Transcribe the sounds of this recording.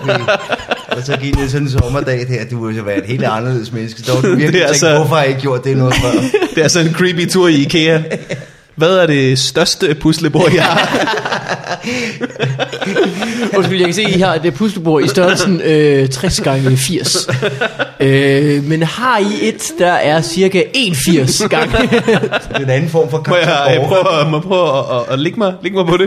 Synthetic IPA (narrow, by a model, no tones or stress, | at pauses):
ɒsɒ̽ɡ̥iɡ̥jasɒnnsɒ̽mɐd̥ɛ̰ːdheɐ̰d̥eʋesoʋæːɐe̝d̥he̝̰ːld̥əɑ̈nɐle̝ð̰ˠəsmenəsɡ̥əd̥ɑduiɐdeæɡsʋɔfɒhɑ̈eɡəɡjo̝ɐ̰d̥̚d̥enɔːð̩ˠfd̥eæsɒnenkʰɹiːb̥it͡sʰuɐ̰ikʰeæ | ʋæðˠæɐɾ̥e̝sd̥ɶɐsd̥əpʰusləb̥o̝ɐ̰ihɑ̈ | ɒsɡ̥yljakʰæse̝̰ːihɑ̈d̥epʰusləb̥o̝ɐisd̥ɶɐsnøt͡sʰʁɛsɡ̥ɑ̈ŋəfiɐ̰s | ømenhɑ̈ie̝d̥ːɑ̈ʔæɐsiɐɡæe̝ːnfiɐ̰sɡ̥ɑ̈ŋədenænn̩fɒ̰ːmfɒkʰjjapʰʁœʊmɪpʰʁɔʊʔːle̝ɡ̥əmɑ̈ɪle̝ɡ̥əmɑɪpʰɒ̽ɾe̝